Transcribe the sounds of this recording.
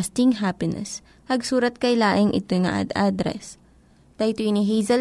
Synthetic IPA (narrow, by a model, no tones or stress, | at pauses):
st̪ɪŋɦapɪnɛ̰s | hɐɡsuːɾɐt̪̚kɐjlaːʔɪŋʔɪ̰t̪ojŋɐ̰ʔa̰d̪ʔad̪ɾɛ̰s | t̪ɐjt̪ujnɪɦejzɐ